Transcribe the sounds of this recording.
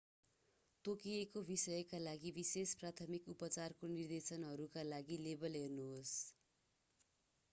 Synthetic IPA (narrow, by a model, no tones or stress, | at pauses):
t̪okiekobisʌjʌkalaɡibisesprat̪ʰʌmikupʌt͡sarkonird̪esʌnɦʌɾukalaɡilebʌlɦernuɦos